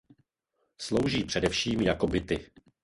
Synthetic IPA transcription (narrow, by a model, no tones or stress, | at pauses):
slowʒiːpr̝̥ɛdɛfʃiːmjako̞bɪt̪ɪ